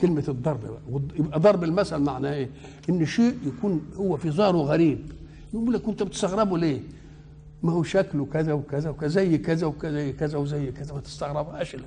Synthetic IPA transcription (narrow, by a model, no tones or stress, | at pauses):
kɪlmæd̪ˤːɑɾˤbbæ̰ʔæwɪʔd̪ˤɑɾˤbɪlmæsælmaʕnæʔeː | ʔɪnːʃeːʔjækuːnhʊwːæfizˤɑːɾˤuɣæɾiːb | bɪʔuːlːækːʊnt̪æbɪt̪ɪst̪ɑɣɾˤɑbuleː | mæhuwʃæklkæzæwkæzæwkæzæjːkæzæwkæzæjːkæzæwzæjːkæzæmæt̪ɪ̥st̪ɑɣɾˤɑbʔæʃl